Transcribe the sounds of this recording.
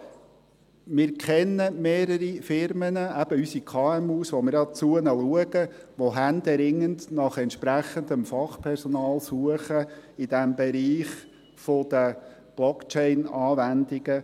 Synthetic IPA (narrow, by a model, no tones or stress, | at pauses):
mɪɾkʰɛnːəmeːɾəɾifɪɾmənəæb̥əysikʰɑɛmuːsʋomɪɾɑt͡suənəluəɡə | ʋoɦænd̪ɛɾɪŋːəndnɑχɛntʃpɾæχənd̪əmfɑχpʰɛɾsɔnɑːlsuəχəid̥ɛmbɛɾiːχ | fod̪̥ə | b̥lɔkt͡ʃɛɪnɑːvændiɡ̥ə